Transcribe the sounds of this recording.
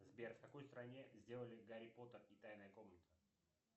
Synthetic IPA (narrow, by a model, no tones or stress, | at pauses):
zbʲerfkɐko̞jst̪ɾɐnʲe̞zʲdʲe̞lˠəlʲɪɡɐɾʲɪpo̞t̪ərit̪ajnəjəko̞mnʲɪt̪sə